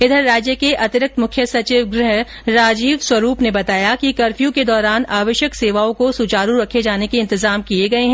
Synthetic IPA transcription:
ɪd̪ʱəɾːaːd͡ʒjəkeʔɐt̪ɪɾɪk̚t̪mʊkʰjəsɐt͡ʃiːʋɡɾɪɦ | ɾaːd͡ʒiːʋswɐɾuːpnebɐt̪aːjakikɐɾfijũked̪ɔːɾaːnaːʋəʃjəkseːʋaːõkosut͡ʃaːɾuɾɐkʰed͡ʒaːnekeɪ̃nt̪ɪzaːmkieɡɐeɦɛ̃

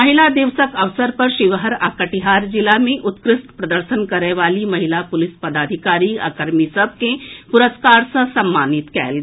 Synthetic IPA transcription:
məɦilad̪ɪʋsəkɐʋsəɾpəɾʃɪʋɦəɾa̰kəʈiɦaːɾd͡ʒɪlamẽʔʊt̪kɾɪst̪pɾɐd̪əɾʃənkɐɾeʋaːlimɐɦilapʊlɪspəd̪aːd̪ʱikaːɾia̰kəɾmisəb̚ʱkepʊɾəskaːɾsəsɐmːaːnɪt̪kɛ̰ːl

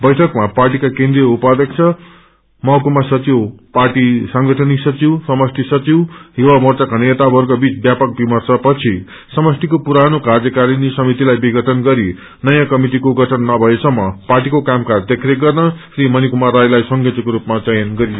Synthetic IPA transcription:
bʌjʈʰʌkmaparʈ̬ikakend̪ɾijʌupad̪ʌk̚t͡sʰʌ | mʌkumasʌt͡siwparʈisʌŋɡʌʈʰʌnisʌt͡siwsʌmʌst̪ʰisʌt͡siwɦiwamʌt͡sʌkanet̪abʱʌɾkobit͡sbjapʌk̚bimʌrt͡sʰʌpʌt͡sʰi | sʌmʌst̪ʰikopuɾanokard͡zʌkaɾinisʌmit̪ilajbiɡʱʌʈʰʌnɡʌɾi | nʌjãkʌmiʈ̬ikoɡʌʈʰʌnːʌbʱʌesʌmːʌparʈ̬ikokamkard̪ekʰɾeɡʌrnʌsrimʌnikumarɾajlajsʌŋɡʱʌt̪ʌkoɾupmat͡sʌjʌnɡʌɾi

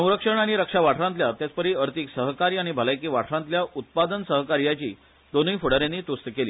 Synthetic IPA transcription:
sə̃w̃ɾəkʂəɳ̃aɽ̃iɾəkʂaʋaʈʰɾãnt̪ljat̪jat͡spəɾiːəɾt̪iksəɦəkaɾijaɽ̃ibʱəlajkiːʋaʈʰɾãnt̪ljaʔut̪̚pad̪ənsəɦəkaɾjat͡ɕiː | d̪onəjfuɽaɾjanːiːt̪ust̪əkeliː

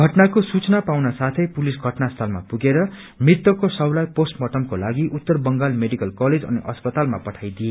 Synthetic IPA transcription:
ɡʱʌʈnakosut͡snapawnasat̪ʰʌjpulisɡʱʌʈnast̪ʰʌlma̰puɡeɾʌ | mrit̪ːʌkosʌwlajposʈmʌʈʌmkolaɡiʔut̪ːʌrbʌŋɡalmeɖikʌlkʌled͡zʌ̰niʔʌspʌt̪almapʌʈʰajd̪ije

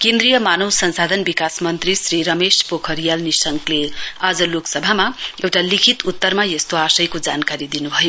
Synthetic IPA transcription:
kẽnd̪rijʌmanʌwsʌnsad̪ʱʌnbikasmʌnt̪risriɾʌmespokʰʌɾijalnisʌŋklead͡zʌloksʌbʱamaewʈalikʰit̪ut̪ːʌrmajʌst̪oasʌjkod͡zankaɾid̪inubʱʌjo

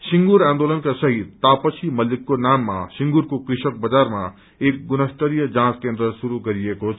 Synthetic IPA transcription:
sĩŋɡuɾãːnd̪oːlənkasɐɦit̪t̪ːaːpəsʰimɐlikːonaːmːã̰siŋɡuɾkokɾɪʃək̚bɐd͡zaːɾmã̰ | eːk̚ɡunəst̪əɾijəd͡ʒãːskẽːnd̪ɾəsuɾuɡɐɾijeko

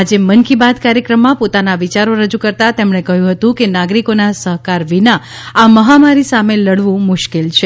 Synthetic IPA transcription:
ad͡ʒemənkibad̪kaɾjəkɾəmːãpot̪anaʋit͡ʃaɾoɾəd͡ʒukəɾt̪at̪emɳekəɦjũɦət̪ũkenaɡɾikonasəɦkaɾʋina | aməɦamaɾisameləɽʋũmʊʃkelt͡ʃʰe

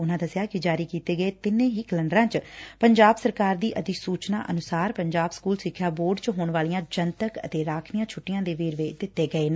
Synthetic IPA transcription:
ʊnãːd̪əsjaːkɪd͡ʒaːɾiːkiːt̪eːɡəeːt̪ɪnẽːɦiːkləɳɖɾãːt͡ʃpəɲd͡ʒaːbsəɾkaːɾd̪iːʔəd̪iːsuːt͡ʃna̰ːʔənʊsaːɾpəɲd͡ʒaːbskuːlsɪkʰːjaːboːɾɖt͡ʃɦoːɳʋaːlijãːd͡ʒənt̪əkə̰t̪eːɾaːkʰnɪjãːt͡ʃʰʊʈːɪjãːd̪eːʋeːɾʋeːd̪ɪt̪ːeːɡəeːn

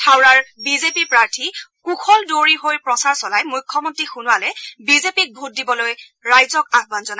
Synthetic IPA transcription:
tʰawɹaɹbizepipɹaɹtʰikuxʰɔldoɹiɦojpɹɔsaɹsɔlajmujkʰːɔmɔntɹixunʊwalɛbizepik̚bʱut̚dibɔloj | ɹajzɔkab̚banzɔna

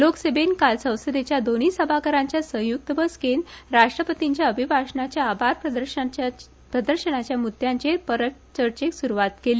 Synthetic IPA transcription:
loksebenkalsə̃w̃səd̪et͡ɕjad̪oñisəbʱakəɾãɲt͡ɕjasə̃juk̚t̪əbəskenɾaʂʈɾəpət̪iɲt͡ɕjaəbʱibʱaʂɳat͡ɕjaːbʱaɾpəd̪əɾ | pɾəd̪əɾɕənat͡ɕjamut̪jãɲt͡ɕepəɾəʈ | t͡ɕəɾt͡ɕeksuɾuʋat̪keliː

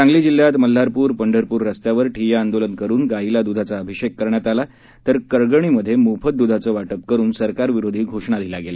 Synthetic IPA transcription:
t͡sãŋɡliːd͡ʑil̤ːjat̪məl̤ːaɾpuːɾpəɳɖʱəɾpuːɾːəst̪jaʋəɾʈʰijaand̪olənkəɾuːnɡailad̪ud̪ʱat͡saəbʱiɕekːəɾɳjat̪ala | t̪əɾkəɾɡəɳ̃iməd̪ʱːjemupʰət̪̚d̪ud̪ʱat͡səːʋaʈəpkəɾuːnsəɾkaɾʋiɾod̪ʱiːɡʱoʂɳad̪ʱilaɡelə

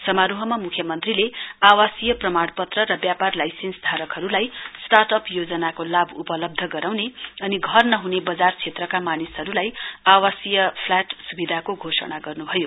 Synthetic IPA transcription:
sʌmaɾuɦʌmamukʰjʌmʌnt̪rileawasijʌprʌmaɽ̃pʌt̪rʌrʌbjaparlajsensd̪ʱaɾʌkɦʌɾulajsʈarʈʌpjod͡zʌnakolabʱupʌlʌb̚d̪ʱʌɡʌɾawneʌniɡʱʌrnʌɦunebʌd͡zart͡sʰet̪rʌkamanisɦʌɾulajawasijʌpʰlaʈsubid̪ʱakoɡʱosʌ̰ɽ̃aɡʌrnubʱʌjo

